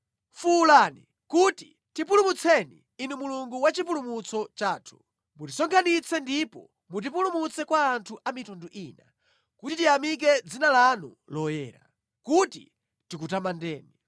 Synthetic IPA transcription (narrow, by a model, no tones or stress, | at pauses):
fuːlaːni | kuti | tipulumut͡sʰɛnḭːnumuluŋɡuwat͡ʃipulumut͡sʰɔt͡ʃaːtʰu̥ | mutisɔŋkʰanit͡sʰɛndipɔ | mut̬ipulumut͡sɛkwaːntʰuʔamitɔnduʔiːna̰ | kutitiamik̬ɛd͡zinalanṵ | lɔjɛ̰ːɾa̰ | kutḭ | tik̬utamandɛːni